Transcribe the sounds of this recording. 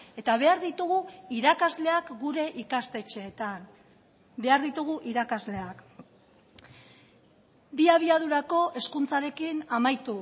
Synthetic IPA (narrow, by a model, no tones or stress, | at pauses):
e̞t̪aβe̞aɾðit̪uɣ̞uiɾakazle̞akɡuɾe̞ʔikast̪e̞t͡ʃe̞ːt̪an | be̞aɾðit̪uɣuʔiɾakazle̞ak | biaβ̞iað̞uɾako̞ʔe̞skunt͡saɾe̞kinamajt̪u